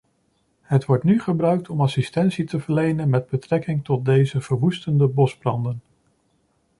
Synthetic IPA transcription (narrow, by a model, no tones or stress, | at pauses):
ɦətʋɔɹtnyχəbrœɥk̚tʰɔmɑsistɛnsitəvəɹlejnənmɛd̚bətrɛkɪŋtɔt̚dejzəv̥əɹʋustəndəbɔzbrɑndən